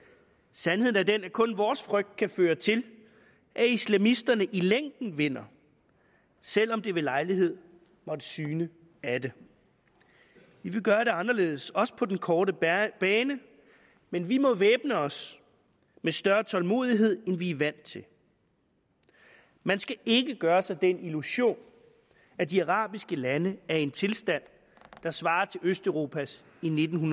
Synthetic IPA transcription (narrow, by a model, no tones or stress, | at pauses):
sænhe̝ð̞̰̩ˠæɐd̥enæɐkʰɔ̽nʋɒːsfʁœɡ̥̚d̥̚kʰæføːɐt͡sʰe̝l | ʔæislæmisd̥ɐnəʔileŋ̰d̥n̩ʋe̝n̰ɐ | sel̰ɒ̽md̥e̝ʋelɑ̈ɪliɦe̝ð̞̰ˠ | mɒ̽d̥əsyːnə | æd̥e̝ | ʋiʋe̝ɡ̥ɶːɐɾe̝ɑ̈nɐle̝̰ːð̞ˠsɒ̽sə̥pʰɒ̽d̥enkʰɒːɾəb̥ɛːnə | menʋimɒ̽ʋeːb̥nəɒ̽s | mesd̥ɶɐt͡sʰɒ̽lmo̝̰ːð̞ˠiɦe̝ð̞̰ˠenʋiʋæn̰d̥t͡sʰe̝l | mænsɡ̥æe̝ɡəɡ̥ɶːɐsɑ̈d̥eniluɕo̝̰ːn | æd̥iɑʁɑ̰̈ːb̥isɡ̥əlænəæɐe̝nt͡sʰe̝lsd̥æn̰ | d̥ɑ̈sʋɑ̈ːt͡sʰe̝løsd̥œʊʁo̝ːpʰæs | ine̝d̥n̩ɦun